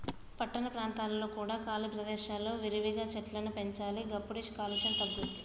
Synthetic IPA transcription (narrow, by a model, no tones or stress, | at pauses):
pɐʈːɐnɐpɾaːnt̪aːlɐlo̞ːkuːɽaːkaːlipɾɐd̪ɛːʃaːlːo̞ːʋiɾiʋiɡaːt͡ʃɐʈlɐnupeɲt͡ʃaːliɡɐpːuɽiʃkaːluʃɐnt̪ɐɡːund̪i